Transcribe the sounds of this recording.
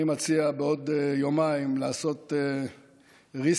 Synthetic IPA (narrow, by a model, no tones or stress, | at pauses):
imat͡siabeo̞d̪ejomaimlaaso̞t̪e | ʁis